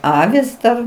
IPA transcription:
ˈɑːʋʲɪs dɐr

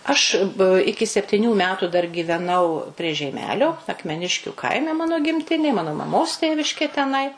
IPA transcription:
ɐʃ ˈɪkʲɪ sʲɛpʲtʲɪˈnʲuː ˈmʲæːtuː dɐr ɡʲiːʋʲɛˈnɐʊ pʲrʲiɛ ʒʲɛɪˈmʲæːlʲoː ɐkmʲɛˈnʲɪʃʲkʲʊ ˈkɐɪmʲɛ ˈmɑːnoː ɡʲɪmʲˈtʲɪnʲeː ˈmɑːnoː mɐˈmoːs ˈtʲeːʋʲɪʃʲkʲeː tʲɛˈnɐɪ

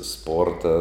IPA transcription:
ˈspoːrtɐ

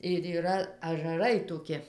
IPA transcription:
ɪr iːˈrɐ ɐʒɐˈrɐɪ toːˈkʲɪ

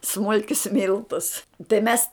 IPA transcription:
ˈsmʊlʲkʲʊs ˈmʲɪlˠtʊs tɐɪ ˈmʲɛs

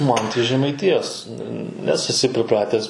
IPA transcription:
ˈmɐn tɐɪ ʒʲɛmɐɪˈtʲɪjoːs nʲɛs ɛˈsʲɪ pʲrʲɪˈprɑːtʲæːs

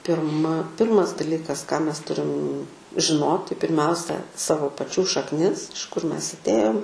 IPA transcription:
pʲɪrˈmɐ ˈpʲɪrmɐs dɐˈlʲiːkɐs kɑː ˈmʲɛs ˈtʊrʲɪm ʒʲɪˈnoːtʲɪ pʲɪrʲˈmʲɛʊsʲɛ ˈsɑːʋoː pɐˈt͡ʃʲuː ʃɐkˈnʲɪs ɪʃ kʊr ˈmʲɛs ɐtʲˈeːjoːm

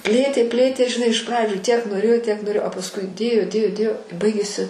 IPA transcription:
ˈpʲlʲeːtʲeː ˈpʲlʲeːtʲeː ʒʲɪˈnɐɪ ɪʃ ˈprɑːd͡ʒʲuː ˈtʲiɛk noːˈrʲeːjoː ˈtʲiɛk noːˈrʲeːjoː ɐ pɐsˈkʊɪ ˈdʲeːjoː ˈdʲeːjoː ˈdʲeːjoː ɪ ˈbɐɪɡʲeːsʲɪ

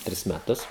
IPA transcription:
ˈtʲrʲɪs mʲɛˈtʊs

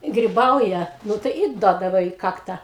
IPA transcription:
ɡrʲɪˈbɐʊjɛ ˈnʊ tɐɪ ɪ ˈduɔdɐʋɐ iː ˈkɑːktɐ

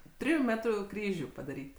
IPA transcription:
ˈtʲrʲɪjʊ ˈmʲæːtrʊ ˈkrʲiːʒʲʊ pɐdɐˈrʲiːtʲ

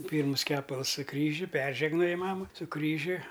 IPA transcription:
ˈpʲiːrmʊs ˈkʲæːpɐlˠs sʊ ˈkrʲiːʒʲʊ ˈpʲɛrʲʒʲɛɡnoːjɪ ˈmɑːmɐ sʊ ˈkrʲiːʒʲʊ

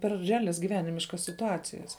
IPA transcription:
pʲɛr rʲɛˈɑːlʲɛs ɡʲɪˈʋʲæːnʲɪmʲɪʃkɐs sʲɪtʊˈɑːt͡sʲɪjɛs

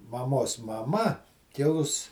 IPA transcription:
mɐˈmoːs mɐˈmɐ kʲɪˈlˠʊs

